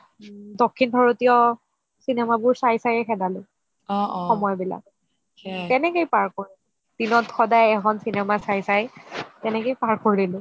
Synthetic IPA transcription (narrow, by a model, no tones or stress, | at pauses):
dɔkʰːinbʱɔɹotijɔ | sinɛmabʊɹsajsajɛxʰɛdalʊ | ɔɔmɔjbila̰k | tɛnɛkejpaɹkoɹi | d̥inɔtxɔdajɛkʰɔnsinɛmasajsajtɛnɛkejpaɹkoɹilʊ